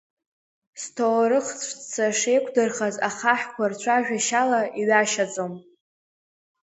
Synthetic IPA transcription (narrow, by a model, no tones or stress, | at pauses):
stʰowɾɨχt͡sʷʰt͡st͡sʰaʂejkʷʰdɨrχazaχaħkʷart͡ɕʷʰaʒᶣaʃalaʔiɥaʃad͡zʼom